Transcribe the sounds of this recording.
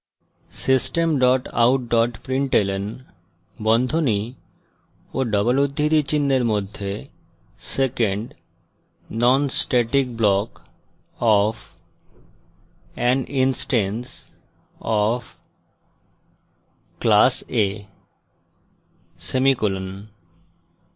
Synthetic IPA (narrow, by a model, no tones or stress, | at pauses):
sisʈemɖɔʈa̰wʈ̚ɖɔʈpɾiɳʈelen | bɔnd̪ʱoni | oɖɔbolud̪ʱːit̪it͡ɕinːeɾmod̪ʱːe | sekeɳɖ | nɔnsʈeʈik̚blɔk | ɔf | ɛnʔinsʈens | ɔf | klase | semikulon